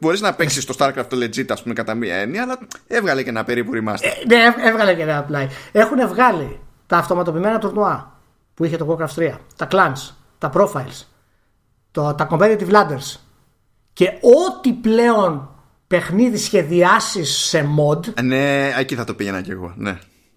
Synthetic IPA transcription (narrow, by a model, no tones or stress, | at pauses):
bo̞ɾiznɐpeksist̪o̞st̪ɐɾkɾɐft̪oled͡zit̪ɐspumekɐt̪ɐmiɐ̰eniɐːlɐevɣɐlecenɐpeɾipuɾimɐ̰sneevɣɐlecenɐplɐie̞xune̞vɣɐlit̪ɐːft̪o̞mɐt̪o̞pimenɐt̪uɾnuɐ | puiçe̞t̪oɣokɾɐfst̪ɾiɐt̪ɐklɐns | t̪ɐpɾo̞fɐils | t̪ot̪ɐko̞mbenit̪ivlɐnd̪eɾs | ce̞o̞t̪iple̞o̞n | pe̞xniðisçe̞ðiɐsisːe̞mo̞d̪neeciθɐt̪o̞piʝenɐ̰cḛɣo̞̰nḛ